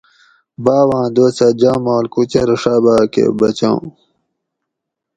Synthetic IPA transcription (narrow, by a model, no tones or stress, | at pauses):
baːwãːd̪oːt͡sɐd͡ʑaːmaːlkut͡ɕeɾʂabaːkḛbɐt͡ɕãw̃